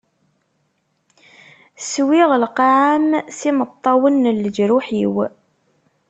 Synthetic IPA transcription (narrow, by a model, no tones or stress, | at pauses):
swiʁəlqɑʕamsimət̪ˤːɑwənːəlːəd͡ʒɾuħiw